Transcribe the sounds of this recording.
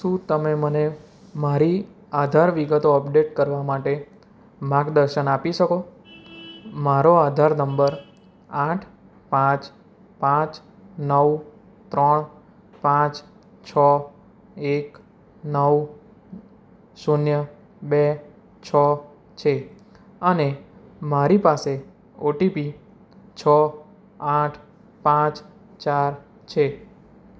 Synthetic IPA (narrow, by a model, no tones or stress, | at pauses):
ʃũt̪əmeməne | maɾi | ad̪ʱaɾʋiɡət̪oəpɖeʈkəɾʋamaʈe | mãkd̪əɾʃənapiʃəko | maɾoad̪ʱaɾnəmbəɾ | aʈʰ | pãt͡ʃ | pãt͡ʃ | nəw | t̪ɾəɳ | pãt͡ʃ | t͡ʃʰɔ | ek | nəw | sunjə | be | t͡ʃʰɔ | t͡ʃʰe | ənemaɾipase | oʈipi | t͡ʃʰɔ | pãʈʰ | pãt͡ʃ | t͡ʃaɾ | t͡ʃʰe